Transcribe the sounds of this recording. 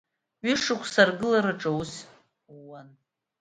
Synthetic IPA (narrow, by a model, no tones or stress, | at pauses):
ɥʏʂɨkʷʰsarɡɨlaɾaʈ͡ʂʼawus | wan